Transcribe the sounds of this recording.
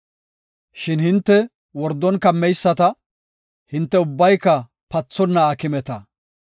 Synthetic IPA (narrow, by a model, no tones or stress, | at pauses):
ʃɪnhɪnt̪ːɛ | wɔɾd̪ːɔnkɐmːɛjsːɐt̪ɐ | hɪnt̪ːɛʊbːɐjkːɐ | pɐt͡sːɔnːɐːkɪmɛt̪ɐ